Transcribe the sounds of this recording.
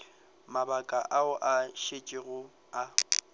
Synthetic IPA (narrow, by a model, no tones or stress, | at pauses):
mabakʼaʔaʊʔaʃet͡ʃʼɪɣʊ | a